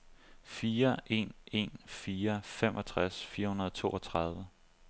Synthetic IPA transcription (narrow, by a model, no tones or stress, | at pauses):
fiːɐʔe̝̰ne̝nfiːɐfem̰ʔɒ̽t͡sʰʁasfiːɐhunɐðˠɒt͡sʰo̝̰ːʔɒt͡sʰʁɑ̈ð̞ˠʋə